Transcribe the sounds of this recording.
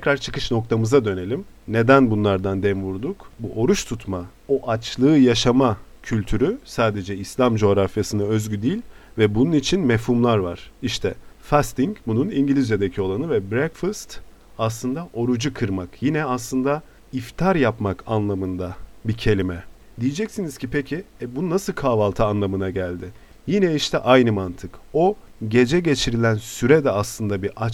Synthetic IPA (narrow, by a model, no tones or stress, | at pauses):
t̪ʰɛcɾaɾt͡ʃʰɯ̥kɯt͡ʃno̞k̚t̪ʰamɯzad̪ø̞ne̞lʲim | ne̞d̪ænbunlˠaɾd̪and̪ɛmvuɾd̪ukbuʔo̞ɾuʃt̪ʰut̪ʰma | o̞ʔat͡ʃlˠɯːjaʃama | cʰylʲt̪ʰyɾysaːd̪e̞d͡ʒɛislʲamd͡ʒo̞ɾafjasɯnaø̞zɟyd̪iːlʲvɛbununit͡ʃʰinmefhumlˠaɾva̰ɾ̥iʃt̪ʰɛfast̪iŋɟbununiɲɟilʲizjad̪ecʰio̞lˠanɯvɛbɾɛkfast̪ | aslˠɯnd̪aʔo̞ɾud͡ʒukʰɯɾmakjinɛaslˠɯnd̪a | ift̪ʰaɾjapmakʰanlˠamɯnd̪abicʰe̞lʲimɛ | d̪ijed͡ʒɛcsiniz̥cʰipʰecʰiɛbununasɯlˠkʰaːvalˠt̪ʰaːnlˠamɯnaɟælʲd̪ɪ | jinɛiʃt̪ʰɛ̰ʔajnɯmant̪ʰɯko̞ | ɟe̞d͡ʒɛɟe̞t͡ʃʰiɾilʲænsyɾɛd̪ɛaslˠɯnd̪abiʔa